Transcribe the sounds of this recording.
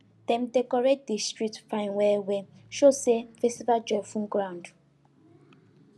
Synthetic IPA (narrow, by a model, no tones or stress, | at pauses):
d̥ɛ̃m̩dekɔɹedistɹik̚tfãjmwɛwɛʃosevɛstivad͡ʒɔfũŋɡɹãnd